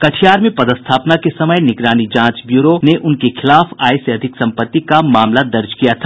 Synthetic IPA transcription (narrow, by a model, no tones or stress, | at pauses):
kɐʈʰijaːɾmẽpɐd̪əst̪ʰaːpnakesɐməjnɪɡɾaːnid͡ʒãːt͡ʃbjuːɾoneʔʊnkekʰɪlaːfaːjseɐd̪ʱɪksɐ̃mpət̪ːikamaːmlad̪ɐɾd͡ʒkijat̪ʰḁ